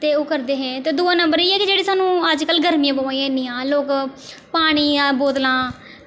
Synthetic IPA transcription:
t̪eːoːkəɾd̪eːɦɛ̃ːt̪eːd̪uːãːnəmbəɾiːɛːkɪd͡ʒeːɽiːsaːnũːəd͡ʒkəlɡəɾmijãːbəʋãːĩãɪniːãːloːk | paːɽ̃iːboːd̪lãː

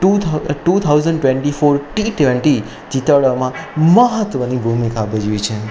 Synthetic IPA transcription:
ʈuʈut̪ʰawzəɳɖʈʋẽɳʈifoɾʈiseʋəɳʈi | d͡ʒit̪əʋɭamãməɦət̪ʋənibʱumikabəd͡ʒʋit͡ʃʰe

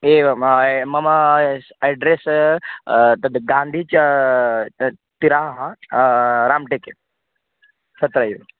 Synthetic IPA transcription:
eːʋmɐmɐ | ɐɖɾes | t̪ɐd̪ɡãːnd̪ʱit͡ʃ | t̪iɾaːɦɐ | ɾaːmʈeke | sʰɐt̪ɾɐjʋ

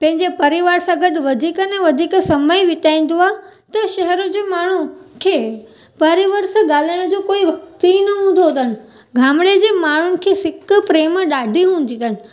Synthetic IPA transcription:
pɐ̃ɦɪ̃ɲd͡ʑepɐɾɪʋaːɾsãɡɐʈ̆ʋɐd̪ʱikənɛ̃ʋɐd̪ʱiksɐməjʋɪt̪aːĩːn̆d̪oaː | t̪ɐʃɐɦɛɾʊ̃d͡ʑeːmaːɳ̤ukʰeː | pɐɾiʋəɾsãɠaːlaɽ̃ʊd͡ʑokoːiʋɐk̚t̪inɐɦũːnd̪ʱod̪ənɪ̆ | ɡʱaːmɽed͡ʑeːmaːɳ̤ʊnɪ̆kʰesɪkpɾeːmɗaːɖʱiɦũːn̆d̪ĩd̪ənɪ̆

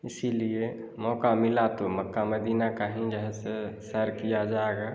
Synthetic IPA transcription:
ɪsilie | mɔːkamɪlat̪omɐkːamɐd̪iːnakaɦĩd͡ʒɛɦɛsesɐɾkijad͡ʒaːeɡaː

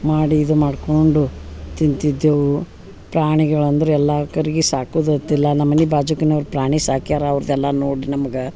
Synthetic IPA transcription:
maːɽiːd̪umaːɖkoɳɖut̪int̪id̪ːeʋu | pɾaːɳiɡɐɭɐnd̪ɐɾuɛlːakɐɾiɡisaːkuːd̪ut̪ːilːɐnɐmːɐnibaːd͡ʒukɐnɐʋɐɾupɾaːɳisaːkijaːɾeɐʋɾɐd̪ɛlːɐnoːɽinɐmɐɡe

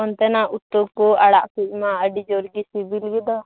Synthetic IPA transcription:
ɔnt̪ɛnaʔut̪ːɔkɔaɽaʔpiʔ̚maəɖid͡ʒɔɾɡisibilɡid̪a

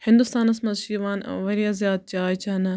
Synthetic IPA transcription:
hɪnd̪ust̪aːnɐsmɐzʃiːʋaːnʋɐɾjaːzjaːd̪̚t͡ʃaːjt͡ʃanɐ

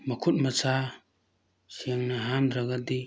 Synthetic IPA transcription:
mɐkʰut̚mɐsa | sʰeŋnɐɦamɾaɡadi

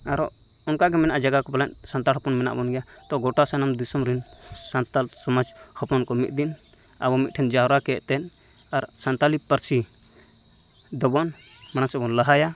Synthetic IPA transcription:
aɾɔ̰ | ɔnkaɡɛmɛnaʔd͡ʒaɡakɔpalaɲ | sant̪alhɔpɔnmɛna̰ʔbɔnɡɛja | t̪ɔɡɔʈasanamd̪isɔmɾin | sant̪alsɔmad͡ʒ | hɔpɔnkɔmit̪̚d̪in | a̰bɔmit̪̚ʈʰɛnd͡ʒaɦɔɾakɛʔt̪ɛn | aɾsant̪alipəɾsi | d̪ɔbɔn | mañasɛbɔnlaɦaja

